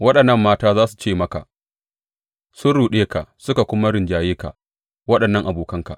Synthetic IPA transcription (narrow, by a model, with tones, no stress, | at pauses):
wɐ˦ɗɐ˨nːɐ˦˨mːaː˦taː˦zaː˦su̥˨t͡ʃeː˦˨mɐ˦ka̰˨ | sʊ˦nɽuː˨ɗeː˦ka˨ʔsʊ˦ka˨kʷʊ˦ma˦ɾɪ˨nd͡ʒaː˨jeː˦ka̰˨ | wɐ˦ɗɐ˨nːɐ˦ŋʔa˨boː˨kɐ˦ŋka̰˨